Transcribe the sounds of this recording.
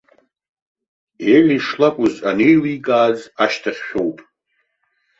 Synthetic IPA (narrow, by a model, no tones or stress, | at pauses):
elʲiʂlakʷʼʊzanejliɡʼaːzaʃtʰaχʲʃʲᶣowpʼ